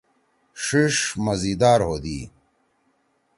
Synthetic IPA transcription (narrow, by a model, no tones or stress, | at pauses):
ʂiʂmɐzid̪aːɾɦoːd̪iː